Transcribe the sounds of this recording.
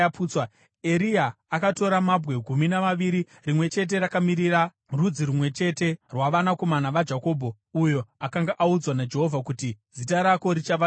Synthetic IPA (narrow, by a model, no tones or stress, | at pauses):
puːt͡swa | e̞ɾiaːkato̞ɾamabwe̞ɡʱuminaʋaʋiɾi | rimwe̞t͡ʃe̞t̬e̞ɾakamiɾira | rud͡ziɾumwe̞t͡ʃe̞te̞rwaʋanako̞manaʋad͡ʒako̞ːbʱo̞ | ujo̞akaŋɡaʔaud͡zwanad͡ʒe̞ɦovʱakutizitaɾako̞ɾit͡ʃaʋa